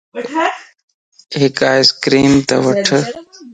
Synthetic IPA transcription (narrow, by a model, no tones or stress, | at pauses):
ɦɪkaːɪskɾiːmt̪ɐ̰ʋəʈʰ